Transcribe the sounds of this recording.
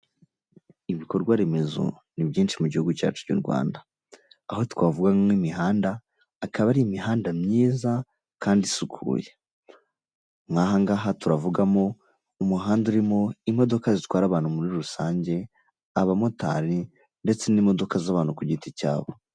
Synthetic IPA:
iβiko̞ɾɡwaɾe̞me̞zo̰ | nibɟiːnʃimuɟihuɡuca̰ːt͡ʃu̥ɟo̰ɾɡwa̰ːndaː | ho̞twaːvuɡaŋmimiɦaːndaː | kaβaɾiimiɦaːndamɲiːza | kaːndisukʰṵːje | ŋaɦaŋɡaːɦatuɾavuɡamo̞ | umuɦaːnduɾimo̞imo̞do̞kazitwaːɾaβaːn̥umuɾiɾusaːɲɟe̞ | aβamota̰ːɾi | nde̞t͡se̞niːmo̞do̞kazaβaːn̥hukuɟitica̰ːβo̞

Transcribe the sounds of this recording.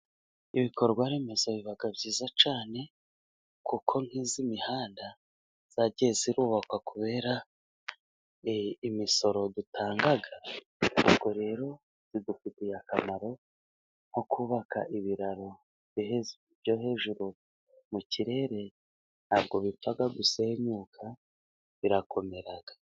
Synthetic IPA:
iβiko̞ɾɡwaɾe̞me̞zaβiβaɡabɟiːzat͡ʃaːne̞ | kukʰo̞ŋ̥hizimihaːnda | z̥aɟe̞ziɾuːβakwakuβe̞ːɾa | imiso̞ɾo̞dutʰaːŋɡaɡa | ṵbɡo̞ɾe̞ɾo̞ | z̥idufitijakamaɾo̞ | n̥hokʰuːβaka̰ʔiβiɾaɾo̞ | v̥joheu | bjo̞ɦe̞ːʒuɾu | muciɾe̞ːɾe̞ | nhaːbɡo̞βifaɡaɡusehemɲuːkʰa | βiɾakʰo̞me̞ɾaɡ̥ḁ

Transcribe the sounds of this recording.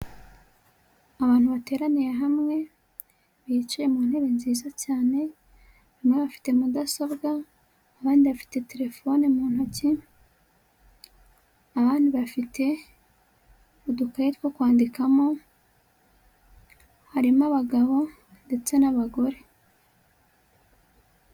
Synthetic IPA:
aβaːn̥huβate̞ːɾaniɾe̞ɦamŋe̞ | βit͡ʃije̞muːnhe̞ɾe̞nziːzacaːne̞ | βimŋe̞βafi̥te̞mudaso̞βɡaː | βaːndiβafi̥te̞te̞ɾe̞fo̞nemuːnhuci | aβaːndiβafite̞ | βudukajitwokwaːndikamo̞ | haɾimaβaɡaβo̞ | nde̞t͡se̞naβaɡo̞ɾe̞

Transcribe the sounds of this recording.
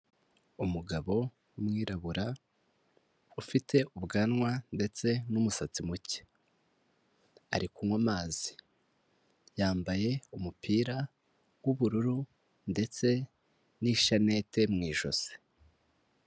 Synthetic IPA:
umuɡaβo̞ | mŋiːɾaβuɾa | ufitʰe̞ʔuβɡanŋwande̞t͡se̞numusat͡simuce̥ | aɾikumŋwamaːzi̥ | jaːmbaje̞umupʰiːɾa | wuβuɾuɾu | nde̞t͡se̞ | niʃane̞te̞mŋiːʒo̞̰se̥

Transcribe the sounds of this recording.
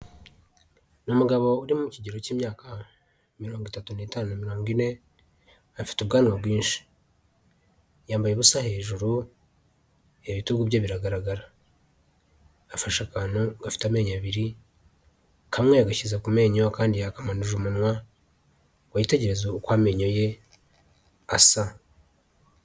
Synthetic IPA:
numuɡaβo̞uɾimumuciɟeɾo̞ciːmɲaːka | miɾo̞ːŋɡwitatunitaːnunamiɾo̞ːŋɡine̞ | afi̥tubɡaːnŋabɡwiːnʃi̥ | jaːmbajeβusahe̞ʒuɾu | eβituɡubɟeβiɾaɡaɾaɡaɾa | faʃakaːnoɡafi̥tame̞ːɲaβiɾi | kʰamŋeaɡaçizakume̞ːɲokaːndijakamanuʒumunwa | ɡwajite̞ɟe̞ɾe̞zoukwaːme̞ɲo̞je̞ | asa

